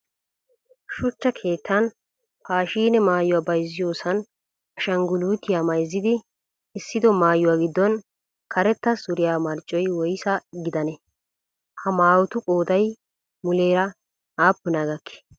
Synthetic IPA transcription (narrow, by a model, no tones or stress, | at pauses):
ʃʊt͡ʃːɐkʰe̞ːt̪ːɐn | paːʃiːnɛmaːjʊwaːbɐjzːɪjo̞ːsɐn | ɐʃɐŋɡʊluːt̪ːɪjaːmɐjzːɪd̪ɪː | sːɪd̪ɔmaːjʊwaːɡɪd̪ːɔn | kʰɐɾɛt̪ːɐsʊɾɪjaːmɐɾt͡ʃʼːɔjwɔjsɐɡɪd̪ɐnɛ | hɐmaːwɔt̪ʊkʼoːd̪ɐj | mʊleːɾɐ | aːpːʊnaːɡɐkːɪ̥